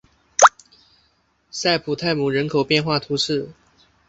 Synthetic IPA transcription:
sa˥˩ɪpʰu˨˩t̪ʰa˥˩ɪmu˨˩ɻə˧˥nkʰo˨ʊpjɛ˥˧nxwa˥˩t̪ʰu˧˥ʂɻ̩˥˩

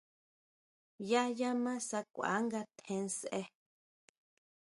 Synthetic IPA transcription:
ja˦ja˦mã˦sa˧kʷa̰˨˦ŋɡa˧t̪ʰẽ˧n˧sʔe˧

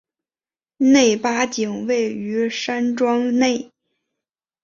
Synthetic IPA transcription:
ne˥˩ɪpa˥t͡ɕi˨˩ŋwe˥˩ɪy˧˥ʂa˥nʈ͡ʂwɑ˥ŋne˥˩ɪ

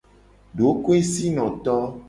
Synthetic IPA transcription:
ɖo˨˦ko˦e˦si˦nɔ̃˨t̪ɔ˦

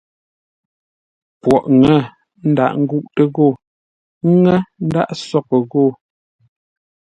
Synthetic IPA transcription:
pwɔ˨ʔŋɛ˦˨ | n̩˦da̰˨ʔŋ̩˦ɡu˦ʔtə˦ɣo˦˨˦ | ŋɛ˦n̩˦da̰˦ʔsɔ˦kə˨ɣo˦˨

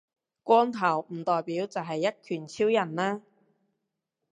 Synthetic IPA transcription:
kʷɔː˥ŋt̪ʰɐ˨˩wm̩˨˩t̪ɔː˨jpiː˨˥wt͡sɐ˨wɦɐ˨jːɐ˥t̚kʰyː˨˩nt͡sʰiː˥wjɐ˨˩nlaː˥

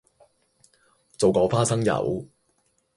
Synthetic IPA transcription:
t͡so˨wkɔː˨˧faː˥sɐ˥ŋjɐ̰˨˩w

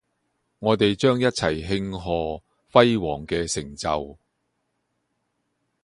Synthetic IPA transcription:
ŋɔː˨˧t̪e˨jt͡ʃœː˥ŋjɐ˥t̚t͡sʰɐ˨˩jɦɪ˧ŋɦɔː˨˧ | fɐ˥jwɔː˨˩ŋkɛː˧sɪ˨˩ŋt͡sɐ˨w

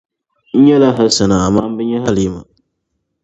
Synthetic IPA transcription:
n̩˦ɲɛ˦la˦ɦa˦sa˨na˨a˨maː˦m̩˦bɛ˦ɲɛ˦ɦa˦ljɛ˦˨ma˨

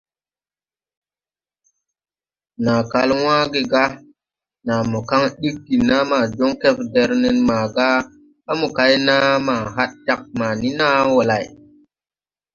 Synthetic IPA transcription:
na˨ka˨lwãː˦ɡe˨ɡa˦ | na˨mu˨ka˦ŋɗi˦kːi˨na˦ma˨d͡ʒo˦ŋke˦fde˨ɾne˦nma˨ɡa˦ | ɓa˦mu˨ka˨˦jna˦ma˨ɦa˦t̚ta˦k̚ma˨ni˦na˦wo˨la˨j

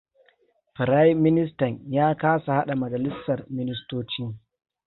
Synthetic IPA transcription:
ɸɪ˨ɾa˦jmɪ˦nɪ˦s̬tɐ˨ɲjaː˦kaː˦sa˨ha˦ɗa˨mɐ˨d͡ʒɐ˨lɪ˦sːɐ˨rmɪ˦nɪ˦stoː˦t͡ʃiː˦

